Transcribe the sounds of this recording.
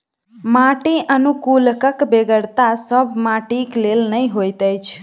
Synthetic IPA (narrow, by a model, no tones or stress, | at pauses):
maʈiʔənukulkəkbeɡəɾt̪asəbʱmaʈiklelnəjɦojt̪əjt͡ʃʰ